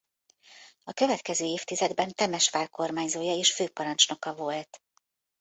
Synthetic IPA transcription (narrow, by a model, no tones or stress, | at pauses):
ɒkø̞vɛt̪kɛzøːeːft̪izɛd̪bɛnt̪ɛmɛʃʋaːlko̞rmaːɲzoːjɒeːʃføːpɒɾɒnt͡ʃno̞kɒvo̞lt̪